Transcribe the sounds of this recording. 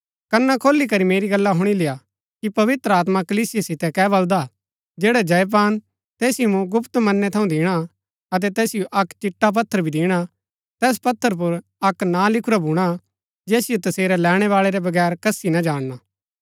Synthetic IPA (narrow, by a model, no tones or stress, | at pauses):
kɐnːakʰoːlːikɐɾimeːɾiɡɐlːaɦʊɽ̃ilɪja | kipɐʋɪt̪ɾəaːt̪makɐliːsɪjesɪt̪ɛkɛːβɐld̪a | d͡ʒeːɽad͡ʒɐjp̬aːn | t̪ɛːsɪjomũɡʊpt̪mɐnːɛt̪ʰɐũd̪ɪːɽ̃a | ɐt̪̬ɛt̪ɛːsɪjoʔɐkt͡ʃɪʈːap̬ɐt̪ʰːəɾbʱid̪ɪːɽ̃a | t̪ɛːs̬pɐt̪ʰːəɾp̬ʊɾ | ɐknãlɪkʰʊɾabʱuːɽ̃a | d͡ʒɛːsɪjot̪ɐseːɾɛlɛːɽ̃ɛʋaːɭeɾɛbɐɡɛːɾkɐsinad͡ʒaːɽ̃naː